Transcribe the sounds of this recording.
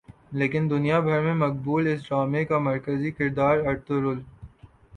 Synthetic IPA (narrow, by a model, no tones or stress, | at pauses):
leːkɪnd̪ʊnijabʱɐɾmẽmɐk̚buːlɪs̬ɾaːmekamɐɾkəzikɪɾd̪aːɾɐɾt̪ʊɾʊl